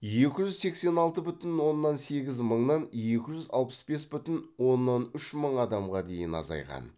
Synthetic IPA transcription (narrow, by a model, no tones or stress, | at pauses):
je̞kʲɪʒʏzse̞kse̞nɑlˠt̪əbʏt̪ɪnwo̞nːɑnse̞ɡʲɪzməɴnɑnje̞kʲɪʒʏzɑlˠpə̥sbe̞sbʏt̪ɪnwo̞nːɑnʏʃməɴɑd̪ɑmʁɑd̪e̞jɪnɑ̰zɑ̰jʁɑ̰n